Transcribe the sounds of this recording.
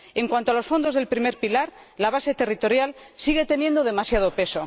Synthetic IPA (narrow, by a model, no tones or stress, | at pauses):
e̞ŋkwant̪oalo̞sfo̞nd̪o̞zðe̞lpɾime̞ɾpilaɾ | laβ̞ase̞t̪e̞rit̪o̞ɾjalsiɣe̞t̪e̞nje̞nd̪oð̞e̞masjað̞o̞pe̞so̞